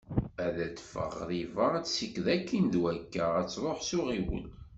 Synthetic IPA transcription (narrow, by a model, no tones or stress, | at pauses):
æðæt͡sːfə̰ʁðivəæt͡ssikːðækːinðwækːəæt͡sːɾˤoħsʊʁiwə̰l